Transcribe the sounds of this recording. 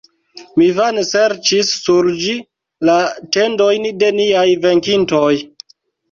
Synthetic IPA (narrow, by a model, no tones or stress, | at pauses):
mivanse̞ɾt͡ʃisːuɾd͡ʒi | late̞ndojnde̞niajve̞ŋkintoj